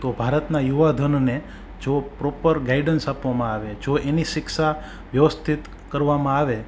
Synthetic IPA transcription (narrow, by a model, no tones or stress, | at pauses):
t̪obʱaɾət̪najuʋad̪ʱənne | d͡ʒopɾɔpəɾɡaiɖənsapʋamãaʋed͡ʒoʔeniʃɪksa | ʋjəʋəst̪ʰit̪ | kəɾʋamãaʋe